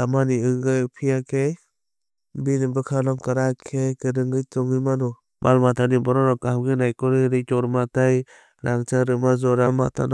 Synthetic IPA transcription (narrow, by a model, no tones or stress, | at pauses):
amaniɯŋɡɯjpʰijakʰej | binɯbɯkʰalɔmkaɾakʰekɯɾɯŋɡɯjtɔŋɯmanɔ | mʔa̰lmatʰanibɔɾɔɾɔkahamɡɯnajkɔɾɯɾɯtɔɾmataj | ɾʔaŋt͡ʃaɾɯmazɔɾama̰tʰa̰nɔ